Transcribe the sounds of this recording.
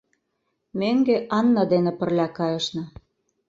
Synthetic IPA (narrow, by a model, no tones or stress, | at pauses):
meŋɡeʔɑnːɑd̪enĕpə̆rlʲækɑjə̆ʃnɤ̆